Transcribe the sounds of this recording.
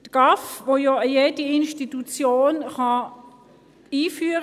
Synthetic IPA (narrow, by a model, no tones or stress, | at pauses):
tɡ̥ɑfvojɔəjeːdiɪnʃtitut͡sjoːnχɑ | iːfyːəʁ